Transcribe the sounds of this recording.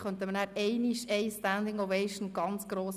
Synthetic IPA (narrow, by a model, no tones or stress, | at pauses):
χœnt̪əmənæːɾɛɪniʃɛɪstænd̪ɪŋovɛɪʃən̩ɡ̥ɑnt͡sɡ̥ɾoːs